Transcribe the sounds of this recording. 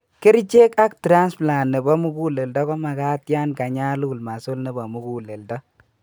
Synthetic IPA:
kɪ˦ɾt͡ʃe˦ka˦ktɾa˦nspla˨nːe˨bɔ˦mu˦ku˦le˨ldɔ˦kɔ˦ma˨ka˦tja˦nka˨ɲa˦lu˨lma˨so˦lne˨bɔ˨mu˦ku˦le˨ldɔ˦

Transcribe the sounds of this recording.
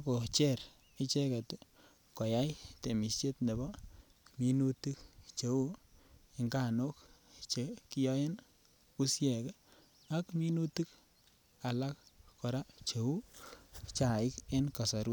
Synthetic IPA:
a˦ko˨t͡ʃɛ˦ɾ | ɪ˦t͡ʃɛ˦ka˨t | kɔ˨ja˦jte˨mi˨st͡ʃe˦tne˨bɔ˦ | mi˦nu˦ti˦k̚t͡ʃe˨˦u˦i˨ŋɡa˨no˦kt͡ʃe˨ki˦jɔ˦je˦n | ku˦sjɛ˨k | a˦kmi˦nu˦ti˦k | a˨la˦kkɔ˨ɾa˦t͡ʃe˨u˦ | t͡ʃa˨ɪ˦ke˦nka˨sa˨ɾu˦t̚

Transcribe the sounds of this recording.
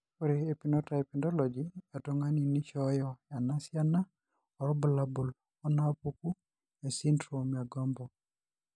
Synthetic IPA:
koɾee˨pi˨nɔ˦ta˨e˨pi˨ndɔ˦lɔ˨d͡ʒia˨tɔŋa˦ni˨ni˦t͡ʃɔjɔ˨ja˨na˦sja˦na˦ | ɔ˨ɾɔ˦bʊla˦bu˨l | ɔ˦na˦pu˦ku˦ | e˨si˦ndɾu˨mja˨ɡɔ˦mbɔ˨

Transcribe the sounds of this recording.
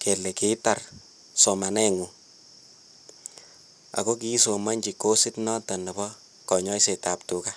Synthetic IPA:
kʰe˨le˨ke˦ta˨r | so˨ma˨nɛ˦ŋu˨ | a̰˨ko˦k̬i˦so˨ma˦ɲt͡ʃi˨ko˦sɪ˦tnɔ˦ta˨nɛ˨bɔ˦ | kɔ˨ɲɔ˦i˦se˨ta˨ptu˨ka˦

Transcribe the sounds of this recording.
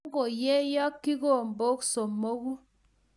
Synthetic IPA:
ɡo˨jɛ˦jɔ˦kːi˦ko˦˨m˨bo˦kso˨mːo˦ɣu˦

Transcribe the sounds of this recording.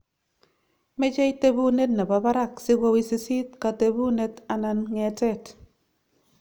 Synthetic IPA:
me˦d͡ʒe˦i˦te˦bu˦ne˦t̚na˨ba˨ba˦ɾa˦˨ksɪ˦ɡo˦wi˦˨se˦si˦t̚ka˨te˨bu˦ne˦ta˨na˨nŋɛ˨tɛ˦˨t

